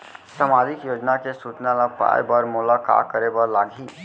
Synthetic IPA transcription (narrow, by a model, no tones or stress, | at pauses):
səmaːd̪ɪkjoːd͡ʒnakesuːt͡ʃnalapa̰ːjbəɾmʊlaka̰ːkəɾebəɾlaːɡʱiː